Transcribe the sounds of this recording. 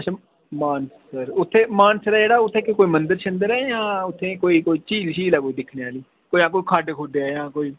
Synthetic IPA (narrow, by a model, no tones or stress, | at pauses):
ɐʃʰaː | maːnssəɾʊt̪ʰːẽːmaːnsɾɛːd͡ʒeːɽaːʊt̪ʰːẽːkɪkoːiːmənd̪əɾʃʰənd̪əɾɛːjãːʊt̪ʰːẽːkoːiːkoːiːt͡ʃiːlʃiːlaːkoːiːd̪ɪkʰneaːliː | koːãːk̬oːikʰaːɖkʰoːd̪eaːjãːkoːiː